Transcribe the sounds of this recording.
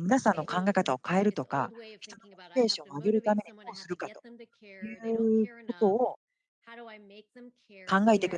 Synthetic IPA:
mʲinasãnːo̞kãŋɡaekat̪aokae̞ɾɯ̟t̪o̞ka̰çi̥t̪o̞nokoi̥ke̞ːɕõŋaɡe̞ɾɯ̟t̪ame̞ɲ̟id̪o̞ːsɨɾɯ̟kat̪o̞̥ | jɯ̟ɯko̞t̪o̞ː | kãŋɡae̞t̪e̞kɯ̟

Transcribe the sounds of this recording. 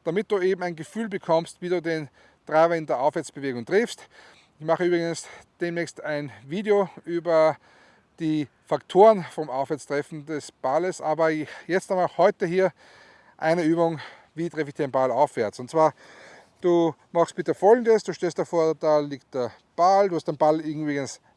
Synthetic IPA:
d̥amɪt̚d̥uːeːbm̩aɪnɡəfyːlbəkʰɔmstviːduːden | tʁaɪbɐɪndeːɐʔaʊfv̥ɛɐt͡sb̥əveːɡʊŋtʁ̥ɪfst | ɪçmaχəyːbʁɪɡənsd̥eːmnɛːçstaɪnviːdeoʔyːbɐ | d̥iː | faktʰoːʁənfɔmaʊfvɛɐt͡stʁ̥ɛfn̩dɛsb̥aləsʔaːbɐjɛt͡stahɔʏtəhiːɐ | ʔa̰ɪnəyːbʊŋ | viːtʁ̥ɛfɪçd̥enmbalaʊfv̥ɛɐt͡sʊntt͡sːv̥aːɐ | d̥uːmaxst̚b̥ɪtəfɔlɡŋ̩dəsd̥uːʃtɛlstd̥ɐfoːɐd̥aːliːkt̚d̥eːɐ | b̥alduːhastd̥enbalɪŋ̩ybɪɡəns

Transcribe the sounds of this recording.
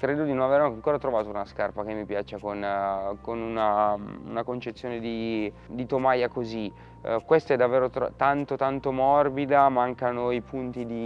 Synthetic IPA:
kɾeːd̪od̪inonaveɾrnaŋkoːɾat̪ɾovaːt̪ounaskarpak̟emːipjaːt͡ʃekonkonunaṵnakont͡ʃet̪sːjoːned̪i | d̪it̪omajakozi | kwest̪ɛd̪ːavːeːɾot̪t̪ant̪ot̪ant̪omɔrbid̪amaŋkanoipʰunt̪id̪i

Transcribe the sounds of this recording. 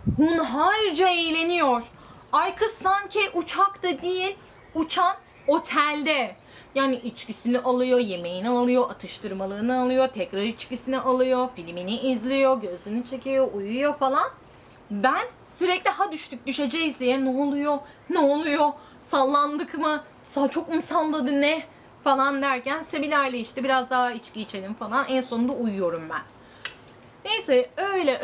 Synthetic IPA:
hunɦajɾd͡ʒaejlʲe̞nijoɾ̥ | ajkʰɯsaɲcʰiʔut͡ʃʰakt̪ad̪ijilʲ | ut͡ʃʰan | o̞t̪ʰælʲd̪ɛ | jaːniʔit͡ʃcisiniʔalˠɯjo̞je̞me̞jinialˠɯjo̞ʔat̪ʰɯʃt̪ʰɯɾmalˠɯːnɯalˠɯjo̞t̪ʰɛcɾaɾit͡ʃcisiniʔalˠɯjofilʲminiːzlʲijo̞ɟø̞zlʲynit͡ʃʰe̞cʰijo̞ʔujujo̞falˠan | bæn | syɾɛclʲihad̪yʃt̪ʰyc̚d̪yʃe̞d͡ʒɛjzijɛnɛolˠujo̞ | nɛolˠujo̞ | salˠːand̪ɯkmɯ | sat͡ʃʰo̞kmsanlˠad̪ɯnːɛ | falˠand̪æɾcænsemilʲajlʲeiʃt̪ibiɾazd̪aɦait͡ʃciːt͡ʃʰelʲimfalˠanʔɛnso̞nd̪aujujo̞ɾumbæn | ne̞jsɛø̞jlʲɛ

